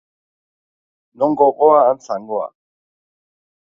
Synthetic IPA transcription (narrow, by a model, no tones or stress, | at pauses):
nɔŋɡɔkɔaan̩t͡saŋɡɔa̰